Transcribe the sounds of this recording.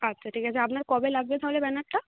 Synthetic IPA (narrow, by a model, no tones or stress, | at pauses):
ətːɕʰaʈʰikat͡ɕʰeapnaɾkɔbelaɡ̚bed̪ʰʱawlebɛnaʈːa